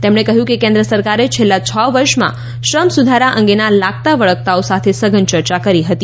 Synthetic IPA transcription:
t̪emɳekəɦjũkekẽnd̪ɾəsəɾkaɾet͡ʃʰelːat͡ʃʰəʋəɾʃmã̰ | ʃɾəmsud̪ʱaɾaʔə̃ŋɡenalak̚t̪aʋəɭək̚t̪aosat̪ʰesəɡənt͡ʃəɾt͡ʃakəɾiɦət̪i

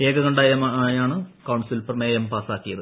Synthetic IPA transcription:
eːɡɐɣɐɳɖaːjɐmaːjaːɳɨkɐwɳsulpɐrmeːjɐmpaːsaːkːijɐðɨ

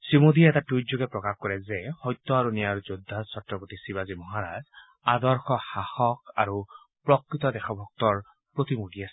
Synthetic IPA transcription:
simud̪iɛtatud͡ʒoɡɛpɹɔkaxkɔɹɛzɛhɔjt̪ːɔaɹunijaɹzod̪ʱːasɔtɹɔpot̪isibazimɔɦaɹa̰z | ad̪ɔɹxɔxaxɔkaɹu | pɹɔkɹit̪ɔd̪ɛxʰɔbʱɔk̚t̪ɔɹ | pɹot̪imudiasɛ̥

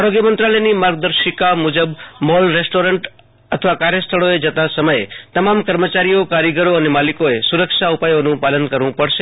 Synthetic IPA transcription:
aɾoɡjəmə̃nt̪ɾaləjnimaɾɡ̚d̪əɾʃikamud͡ʒəbmɔlɾesʈoɾəɳʈ | ət̪ʰəʋakaɾjəst̪ʰəɭoed͡ʒət̪ãsəməjet̪əmamkəɾmət͡ʃaɾijokaɾiɡəɾoənemalikoesuɾəkʃaupajonũpalənkəɾʋũpəɽʃe

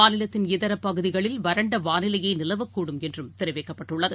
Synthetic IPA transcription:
aːnɪlɐt̪ːɪnɪðɐɾɐpːɐɣɯðɪɣɐɭɪlʋɐɾɐɳɖɐʋaːnɪlɐjɐɪnɪlɐʋɐkːuːɽɯmɛndrɯmt̪ɪɾɐʋeɪkːɐpːɐʈːʊɭːɐðɯ

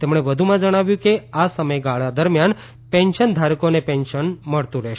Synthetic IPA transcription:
t̪emɳ̃eʋəd̪ʱumãd͡ʒəɽ̃aʋjũkeasəməjɡaɭad̪əɾmjan | pɛ̃nʃənd̪ʱaɾkonepɛ̃nʃənməɭt̪ũɾɛʃ

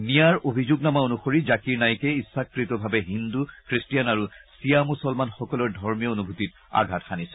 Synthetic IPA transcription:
nijaɹobʱizuɡnamaonuxoɹizakiɹnajkɛisːakɹitɔbʱabɛɦindukɹistijanaɹusijamusɔlmanxɔkɔlɔɹdʱɔɹmijɔonubʱutit | a̰ɡʱatxanisɛ̥

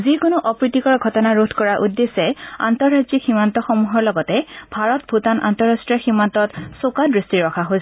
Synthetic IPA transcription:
zikʊnʊʔɔpɹitikɔɹɡʱɔtɔnaɹodʱkɔɹaʔudːesɛa̰ntɔɹɹazikximantɔxɔmuɦɔɹlɔɡɔtɛbʱaɹɔt̚bʱutanʔa̰ntɔɹastɹijɔximantɔtsokadɹistiɹɔkʰaɦojs

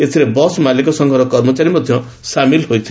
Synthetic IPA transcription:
esʰiɾebʌsmalekosʌŋɡʱʌɾʌkʌrmʌt͡saɾimʌd̪ʱjʌ̃ | samilɦojt͡sʰ

